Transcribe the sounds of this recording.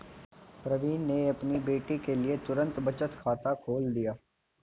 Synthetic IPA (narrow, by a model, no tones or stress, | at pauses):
pɾəʋiːnːeɐpnibeːʈikelɪiet̪ʊɾə̃nt̪bət͡ʃət̪kʰaːt̪akʰoːld̪ijaː